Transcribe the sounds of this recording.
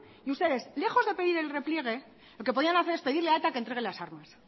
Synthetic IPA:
iust̪e̞ðe̞sle̞xo̞zðe̞pe̞ðiɾe̞lre̞plje̞ɣ̞e̞ | lo̞ke̞p̬o̞ðianaθe̞ɾepe̞ðiɾleaet̪akent̪ɾe̞ɣ̞elasaɾmas

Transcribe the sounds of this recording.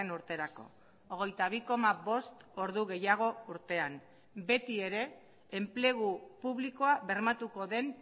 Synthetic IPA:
enuɾt̪e̞ɾako̞̰ | oɣ̞e̞jt̪aβ̞iko̞maβo̞st̪o̞ɾðuɣe̞jaɣ̞o̞uɾt̪e̞am | be̞t̪ie̞ɾe̞ː | mple̞ɣ̞upuβliko̞aβe̞ɾmat̪uko̞ðe̞n

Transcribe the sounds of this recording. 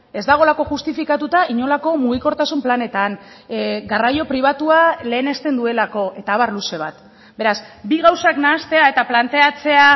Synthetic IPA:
e̞zd̪aɣ̞o̞lako̞ʝust̪ifikat̪ut̪aʔiɲo̞lako̞muɣ̞iko̞ɾt̪asumplane̞t̪an | ɡarajo̞pɾiβ̞at̪uale̞ːne̞st̪e̞nd̪ue̞lako̞ʔe̞t̪aːβaɾluse̞β̞at̪ | be̞ɾasbiɣ̞awsaknaːst̪e̞ae̞t̪aplant̪e̞at͡se̞a

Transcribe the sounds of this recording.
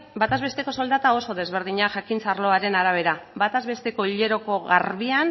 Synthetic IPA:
bat̪azβe̞st̪e̞ko̞so̞ld̪at̪ao̞so̞ðe̞zβ̞e̞ɾð̞iɲaʝakint͡saɾlo̞aɾe̞naɾaβ̞e̞ɾabat̪azβe̞st̪e̞ko̞iʎe̞ɾo̞ko̞ɣa̰ɾβian

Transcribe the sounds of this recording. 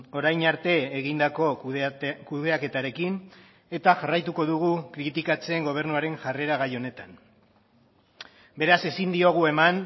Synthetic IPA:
o̞ɾajnaɾt̪e̞ːɣind̪ako̞ | kuðe̞ake̞t̪aɾe̞kin | e̞t̪aʝarajt̪uko̞ðuɣ̞ukɾit̪ikat͡seːŋɡo̞β̞e̞ɾnuaɾe̞ŋʝare̞ɾaɣ̞ajo̞ne̞t̪an | be̞ɾase̞sind̪io̞ɣ̞ue̞man

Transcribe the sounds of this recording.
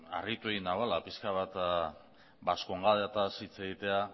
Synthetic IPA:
a̰rit̪uejnaβalapiskaβat̪ | baskoŋɡaðeat̪asit͡se̞ɣit̪e̞a

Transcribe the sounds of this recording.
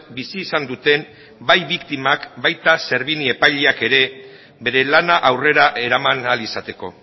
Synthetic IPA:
bisiːsand̪ut̪e̞m | bajβikt̪imakbajt̪ase̞ɾβinie̞pajʎeake̞ɾe̞ | be̞ɾe̞lanaʔawre̞ɾaʔe̞ɾamanalisat̪e̞ko̞̰

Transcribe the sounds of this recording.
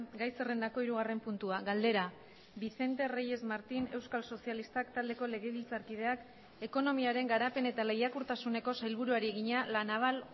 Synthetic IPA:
ɡajsere̞nd̪ako̞iɾuɣare̞mpunt̪uaɣald̪e̞ɾa | βise̞nt̪e̞reje̞zmaɾt̪ine̞wskalso̞sialist̪akt̪ald̪e̞ko̞le̞ɣe̞βilt͡saɾkið̞e̞ak | e̞ko̞no̞miaɾe̞ŋɡaɾape̞ne̞t̪ale̞jakuɾt̪asune̞ko̞sajlβ̞uɾuaɾieɣiɲalanaβal

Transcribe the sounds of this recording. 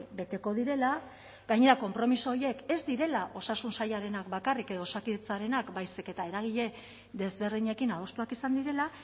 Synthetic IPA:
be̞t̪e̞ko̞ðiɾe̞la | ɡajɲe̞ɾako̞mpɾo̞misoje̞ke̞zd̪iɾe̞laʔo̞sasunsajaɾe̞nakbakarike̞ðo̞osakiðet͡saɾe̞nakbajseke̞t̪ae̞ɾaɣ̞iʎe̞ | ðe̞zβe̞ɾðiɲekinaðo̞st̪uakisand̪iɾe̞la

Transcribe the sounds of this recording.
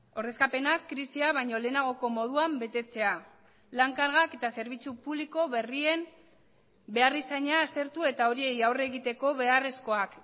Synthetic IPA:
o̞ɾðe̞skape̞nakːɾisiaβajɲo̞le̞ːnaɣ̞o̞ko̞mo̞ð̞uambe̞t̪e̞t͡se̞a | laŋkaɾɣake̞t̪ase̞ɾβ̞it͡supuβliko̞βe̞rie̞m | be̞arisaɲaːst̪e̞ɾt̪ue̞t̪ao̞ɾie̞jawre̞ɣit̪e̞ko̞βe̞are̞sko̞ak

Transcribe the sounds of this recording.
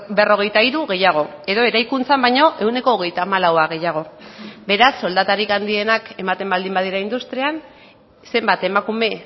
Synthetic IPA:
be̞ro̞ɣe̞jt̪aiɾuɣe̞jaɣ̞o̞e̞ðo̞e̞ɾajkunt͡sambajɲo̞ʔe̞wne̞ko̞ːɣ̞e̞jt̪aːmalawaɣe̞jaɣ̞o̞be̞ɾasːo̞ld̪at̪aɾikand̪ie̞nake̞mat̪e̞mbald̪imbað̞iɾaind̪ust̪ɾian | se̞mbat̪e̞makume̞

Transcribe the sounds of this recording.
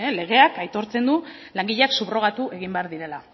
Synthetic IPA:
le̞ɣ̞e̞akajt̪o̞ɾt͡se̞nd̪u | laŋɡiʎeaksuβro̞ɣ̞at̪uʔe̞ɣ̞imbe̞aɾðiɾe̞la

